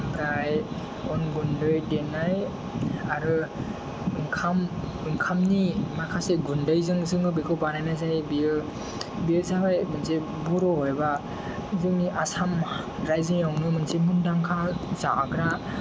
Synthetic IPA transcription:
pʰɾaj | ɔnɡundɯjdenaj | aɾɯ | ɯŋkʰam | ɯŋkʰamnimakʰaseɡundɯjzɯŋzɯŋɯbikʰɔwbanajnazajbiɯ | biɯzabajmɯnse | bɔɾɔɦɔjba | zɯniʔasam | ɾajzɯŋjawnɯmɯnsemundaŋkʰazaʔːkɾa

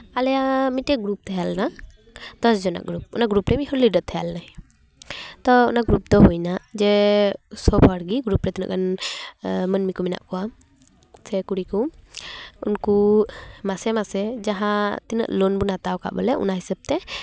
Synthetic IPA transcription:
alɛjamiʈɛɡɾup̚t̪ʰajalna | d̪̥ɔsd͡ʒɔna̰ɡɾup̚ɔnaɡɾupɾɛmiɦɔɾliɖət̪ʰɛjalnaj | t̪ɔɔnaɡɾup̚d̪ɔɦujnaʔd͡ʒɛsɔbʱaɽɡiɡɾupɾɛt̪inə̰ʔkan | mənmikumɛna̰ʔkɔwa | sɛkuɽiku | unkumasɛmasɛd͡ʒaɦãt̪inə̰ʔlɔnbunat̪awka̰ʔbɔlɛʔṵnaɦisab̚t̪ɛ

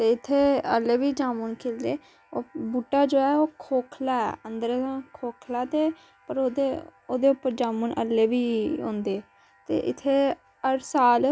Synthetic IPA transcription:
t̪eːɪt̪ʰːeːəlːeːʋiːd͡ʒaːmuːnkʰeːld̪eː | oːbuːʈːaːd͡ʒoːɛːoːkʰoːkʰlaːɛ̰ːə̃nd̪əɾãkʰoːkʰlaːt̪eː | pəɾoːd̪eoːd̪eːʊpːəɾd͡ʒaːmuːnʔə̰lːeːʋiːõ̰ːnd̪eː | t̪ḛːʔɪt̪ʰːeː | əɾsaːl

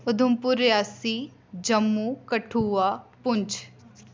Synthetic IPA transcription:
ʊd̪ʱʊmpʊɾjaːsiː | d͡ʒəmːuːkəʈʰuːaːpʊnt͡ʃʰ

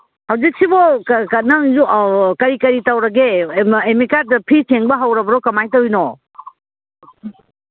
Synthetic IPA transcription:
hawd͡ʒik̚sibɔkkɐnɐzukɐɾikɐɾitawɾɐɡeemikaɾ̚dɐpʰisʰeŋbɐɦawɾɐbɐɾɔkɐmajtɐwjnɔ

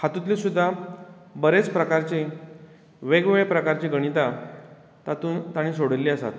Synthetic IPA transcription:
hat̪ũt̪lisud̪ʱːabəɾet͡spɾəkaɾt͡ɕi | ʋeɡʋeɭpɾəkaɾt͡ɕiɡəɽ̃it̪a | t̪at̪uːnt̪aɽ̃ĩːsoɽəlːiːəsa̰t̪

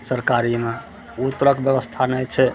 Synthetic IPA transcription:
səɾkaɾime | ut̪ːɾəkbjəbəst̪ʰanɛjt͡ʃʰɛ

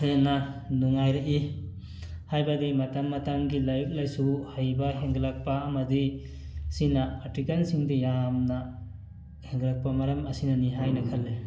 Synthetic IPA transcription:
ananuŋajɾaʔi | hajbadimatamːatamɡilajuk̚lajsuhajbaheŋɡlak̚paːmadi | sinaatikalsiŋdijamna | heŋɡlak̚pamaɾɐmɐsinaniɦajnakʰalːe

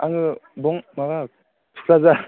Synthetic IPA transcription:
aŋɯbɔŋmaɡa | tʰu̥kʰlaza

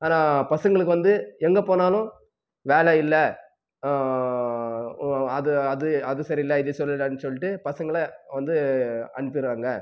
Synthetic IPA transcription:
aːnaːpɐsɐŋɡɐɭɯkːɯʋɐnd̪ɯɛŋɡɐpoːnaːlʊ̃ | ʋeːlɐɪlːɐ | ɐðɯɐðɯɐðɯsɐɾiɪlːɐɪðɯsɔlːɪlːɐnːɯsɔlːɪʈːɯpɐsɐŋɡɐɭɐʋɐnd̪ɯɐ̰ɳɯp̬ːɪɾɯʋaːŋɡɐ

